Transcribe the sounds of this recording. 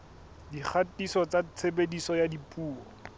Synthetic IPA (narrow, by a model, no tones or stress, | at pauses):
dik͡xʰatisɔt͡sat͡sʰebedisɔjadipʼuːɔ